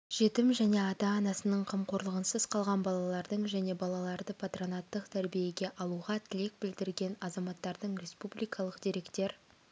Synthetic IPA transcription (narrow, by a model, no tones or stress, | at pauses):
ʒ̥e̞t̪ɪmʒæne̞ɑt̪ɑːnɑsənəɴqʰəmqʰo̞ɾlˠəʁənsəz̥qʰɑlˠʁɑnbɑlˠɑlˠɑɾd̪əɴʒæne̞bɑlˠɑlˠɑɾd̪əpʰat̪ro̞nɑt̪ːəqt̪ʰæɾbije̞ɡʲe̞ʔɑlˠuʁɑt̪ʰɪle̞k̚bɪld̪ɪɾɡʲe̞nɑzɑmɑt̪ːɑɾd̪əɴɾʲe̞spublʲijkʰɑlˠəqd̪eɾe̞kt̪e̞ɾ